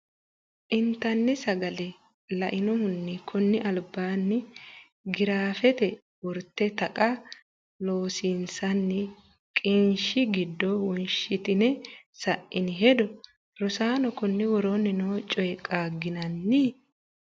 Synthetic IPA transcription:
ʔɪnt̪ɐnːɪsɐɡɐlɛ | lɐʔɪnɔhʊnːɪkʰʊnːɪʔɐlbːaːnːɪ | ɡɪɾaːfɛt̪ɛ | wɔɾt̪ːɛt̪ɐkʼɐ | loːsinsɐnːɪ | kʼɪnʃɪɡɪd̪ːɔwɔnʃɪt̪ɪnɛsɐʔʔɪnɪɦɛd̪ɔ | ɾɔsaːnɔkʊnːɪwɔɾɔnɪnoːt͡ʃʼɔjkʼːaːɡːɪnɐnːɪ

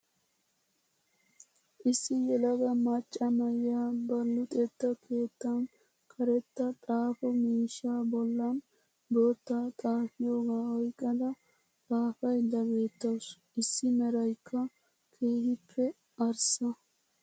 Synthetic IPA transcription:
ʔɪsːɪjɛlɐɡɐmɐt͡ʃʼːɐmɐjːaːbɐlːʊt̪ʼɛt̪ːɐkʰe̞ːt̪ːɐn | kʰɐɾɛt̪ːɐt̪ʼaːfɔmiːʃːaːbɔlːɐn | boːt̪ːaːt̪ʼaːfɪjo̞ːɡaːɔjkʼːɐd̪ɐ | t̪ʼaːfɐjd̪ɐɡe̞ːt̪ːɐwsʔɪsːɪmɛɾɐjkʰːɐ | kʰe̞ːhɪpʰːɛ | ɐɾsɐ

